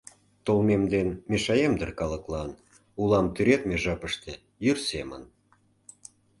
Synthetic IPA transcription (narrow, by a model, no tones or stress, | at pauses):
t̪olmemd̪enmeʃɑjemd̪ərkɑləklɑn | ulɑmt̪yɾet̪meʒɑpəʃt̪e | jyrsemə̰n